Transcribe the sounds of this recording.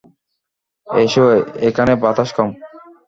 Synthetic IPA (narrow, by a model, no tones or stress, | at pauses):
eʃoekʰanebat̪aʃkɔm